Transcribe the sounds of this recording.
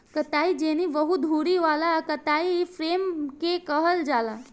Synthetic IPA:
kət̪aid͡ʒeñiʋəɦud̪ʱuɽiʋalakət̪aifɾemkekəɦəld͡ʒala

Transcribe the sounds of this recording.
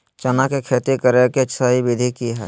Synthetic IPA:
t͡ʃɐnakekʰeːt̪ikəɾeket͡ʃsaːibɪd̪ʱikiɦɛ̰ː

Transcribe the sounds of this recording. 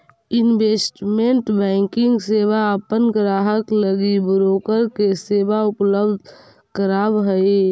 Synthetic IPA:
ɪnbeːsʈmẽɳʈbɛ̃ːŋkɪ̃ŋɡseːʋaəpənɡɾaːɦəkləɡibɾoːkəɾkeseːbaʊpləbd̪ʱ | kəɾaːbɦəii

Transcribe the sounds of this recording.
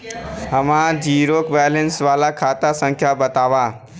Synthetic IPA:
hɐmãd͡ʒʱiːɾoːkʋɛːjlensʋaːlakʰaːt̪asə̃ŋkʰjabɐt̪aːʋaː

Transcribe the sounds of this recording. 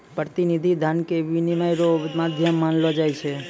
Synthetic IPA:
pɾət̪inid̪ʱid̪ʱankeʋinimajɾomad̪ʱjəmːanlod͡ʒajt͡ʃʰe

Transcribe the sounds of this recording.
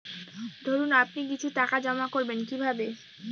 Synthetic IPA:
d̪ʱoɾunapnikit͡ɕʰuʈakad͡ʑɔmakoɾbenkibʱabe

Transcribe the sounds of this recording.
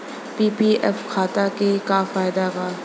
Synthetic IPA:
piːpiʔɛfkʰaːt̪akekafaːjɪd̪abaː

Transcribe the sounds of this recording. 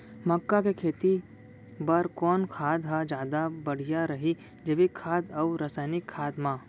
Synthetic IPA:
mɐkːakekʰeːt̪i | bɐɾkɔːnkʰaːd̪ɦad͡ʒjaːd̪abɐɽ̤ijaɾɐɦi | d͡ʒɐʋikʰːaːd̪ɐwɾəsaːɪnɪkʰːaːd̪mãː

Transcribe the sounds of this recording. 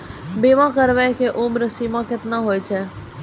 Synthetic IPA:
beːʋãkəɾʋɛkeʔʊmɾəsimãkɪt̪naɦoːjt͡ʃʰɛ

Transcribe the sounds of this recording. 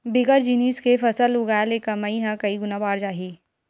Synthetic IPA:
bɪɡəɾd͡ʒiniːskefɐsəlʊɡaːjlekɐmaiɦɛ̃kɐiɡʊnabaːɾd͡ʒaːɦiː

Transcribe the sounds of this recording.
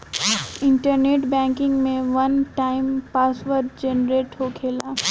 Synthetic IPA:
ɪ̃ɳʈəɾneːʈbɛ̃ːŋkɪ̃ŋɡmẽʋɐnʈaːɪmpaːsʋəɾʈd͡ʒenɾeːʈɦokʰeːlaː

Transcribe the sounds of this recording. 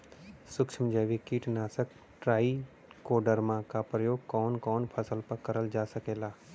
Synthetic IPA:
sʊkʃʰəmd͡ʒəʋikiːʈnaːsək | ʈɾaːi | koːɖəɾmãkapɾəjoːɡ̚kɔːnkɔːnpʰɐsəlpəkɐɾəld͡ʒaːsɐkeːlaː

